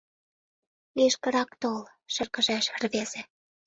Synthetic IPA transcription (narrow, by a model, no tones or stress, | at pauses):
liʃkə̆ɾɑkt̪ol | ʃə̆rkə̆ʒæʃə̆rβez̥ĕ